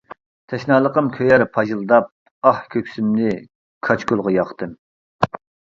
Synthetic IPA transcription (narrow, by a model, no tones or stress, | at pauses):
t̪ʰɛʃnɑːlˠəqəmkʲʰøjæɾpʰɑʒɨlˠɨd̪ɑp̚ | ɑhkʲʰøkʲsymnɪ | kʰɑt͡ʃkʲylˠʁɑjɑχt̪ɨm